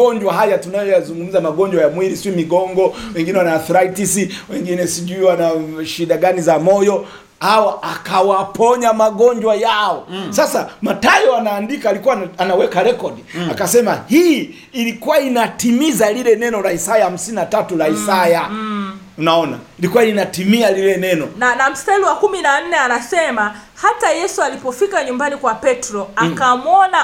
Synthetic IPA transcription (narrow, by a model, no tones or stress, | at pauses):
ɔɲd͡ʒwaɦajatunajɔjazuŋɡum̩zamaɡɔɲd͡ʒwajamwiɾisiimiɡɔŋɡɔwɛŋɡinɛwanaːθɔɾaitisiwɛŋɡinɛsiʄuiwanaʃiɗaɡanizamɔjɔ | hawaakawapʰɔɲamaɠɔɲd͡ʒwajaɔsasamatajɔanaːndikalikuwaanawɛkaɾɛkɔdiakasɛmahiiː | likuwainatimizalilɛnɛnɔlaisajaham̩sininatatulaisaja | unaɔna̰ilikuwainatimialilɛnɛnɔnanam̩stailiwakuminan̩nɛanasɛma | hatajɛsualipɔfikaɲumbanikwapɛtɾɔakamwɔna